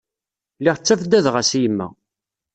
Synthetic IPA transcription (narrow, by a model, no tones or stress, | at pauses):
lːiʁt͡sːæfd̪æðʁæsijəmːæ̰